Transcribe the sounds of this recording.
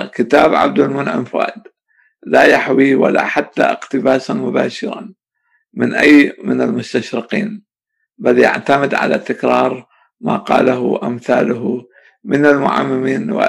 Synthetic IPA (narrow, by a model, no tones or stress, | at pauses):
kɪt̪aːbʕa̰b̚d̪almʊnʕɪ̰mfa̰ːd̪ | lajaħwiwa̰laħat̪ːaʔɪqt̪ɪbaːsanmʊbaːʃɪɾˤɑ | mɪnʔajːmɪnalmʊst̪aʃɾɪqiːn | balja̰ʕt̪amɪd̪ʕa̰lat̪ɪkɾˤɑːɾˤ | maːqɑ̰ːlaɦʊʔamθaːlʊɦ | mɪnalmʊʕa̰mːɪmiːnwa̰